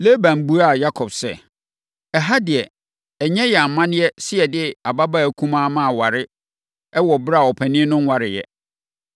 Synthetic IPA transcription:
le˦bã˨m̩˨bu˦a˦˨ja˦kʰɔ˨bsɛ̰˦ | ɛ˨ɦa˦dɪ˨ɛ˨ | ɛ˨ɲɛ̃˦jɛ˨a˨mːã˦nɪ̃˦ɛ˦sɪ˦ɛ˨dɪ˦a˨ba˦ba˦æ˨kʰũ˦mã˦mã˦˨wa˨ɾɪ˦ | ɛ˦wɔ˨bɾa˦˨ɔ˨pʰæ˨nɪ̃˦ɛ˦nʊ̃˦n˦wa˦ɾɪ˨jɛ̰˨

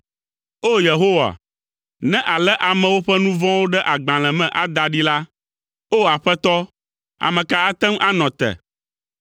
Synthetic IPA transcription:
o˦je˨ɦo˦wa̰˨ | nɛ̃˦ʔa˨lɛ˦ʔa˨mɛ̃˨wo˦ɸɛ˦nũ˦vɔ̃˦wo˦ɖɛ˦ʔa˨ɡ͡bã˨l̃ɛ̃˨mɛ̃˨ʔa˨d̪a˨ɖi˦la˦ | o˦a˨ɸɛ˦t̪ɔ˦ | a̰˨mɛ̃˨ka˦a˦t̪ɛ˦mʔa˦nɔ̃˨t̪ɛ̰˨

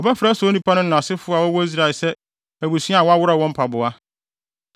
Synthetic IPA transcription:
ɔ˨bɛ˦fɾa˨˦sɔ˨˦nĩ˦pʰa˦nʊ̃˦nã˨sɪ˦fʊ˦a˨wɔ˦wɔ˦i˦s̬ɾa˨sɛ˦ | æ˨bu˨sĩ˦a˦˨wɔ˦a˦wʊ˦ɾa˨wɔ̃˦m̩˦pʰa˨bʊ˨a˦

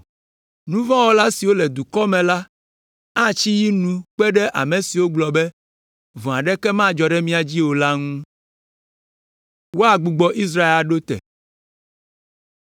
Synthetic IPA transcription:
nũ˦vã˦wo˦la˦si˨wo˦lɛ˨d̪u˨kɔ˦mɛ̃˨la˦ | a˦t͡ɕi˦ji˦nũ˦k͡pɛ˦ɖɛ˦ʔa̰˨mẽ˨si˨wo˦ɡ͡blɔ˨bɛ˦ | vɔ̃˨a˨ɖɛ˦kɛ˦mã˦d͡ʒɔ˨ɖɛ˦mĩ˦a˨d͡ʑi˦wo˨la˦ŋũ˦ | wo˦a˨ɡ͡bu˨ɡ͡bɔ˨ʔi˦s̬ɾa˦e˦a˨ɖo˦t̪ɛ̰˨

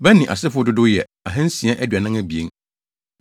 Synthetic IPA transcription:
bɛ̃˦nːĩ˨ʔa̰˨sɪ˦fʊ˦ɔ˦dʊ˦dʊ˦jɛ˨ | a˨ɦɛ̃˦n̩˦sĩ˨a˦ʔæ˦dɥa˨nã˦ŋæ̃˦bi˨e˦ŋ

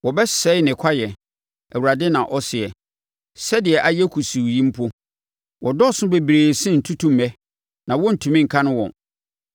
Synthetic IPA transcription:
wɔ˨bɛ˦sɛ˦ɪ˦nɪ̃˨kʷʰa˦jɛ˨ | ɛ˨wu˨ɾa˨dɪ˦nã˨ʔɔ˦sɪ˨ɛ˨ | sɛ˦dɪ˨ɛ˨ʔa˨jɛ˦kʰu˨su˨jĩ˦m̩˦pʰʊ˦ | wʔɔ˨dɔ˦˨sʊ̃˦be˨bɾeː˨sɪ̃˦n̩˨tʰu˦tʰũ˦mɛ˦ | nã˨wɔ˦n̩˨tʰũ˨mĩ˦ŋ̩˨kʰã˦nʊ̃˦wɔ̰̃˨n

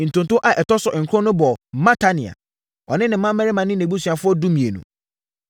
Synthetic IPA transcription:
n̩˨tʊ̃˨ntʊ̃˦ʔa˨ʔɛ˨tɔ˦sɔ˨ɪ˨ŋ̩˨kʰɾɔ̃˦nʊ̃˦bɔ˨mã˦tʰa˦nɪ̃˨a̰˨ | ɔ˨nɪ̃˦nɪ̃˨m̩ː˦ã˦m̩˦ɛ˦ɾɪ˦mã˨nɪ̃˦nẽ˨bu˦sɥa˨fʊ˦ɔ˦du˦mĩ˨e˨nṵ̃˨

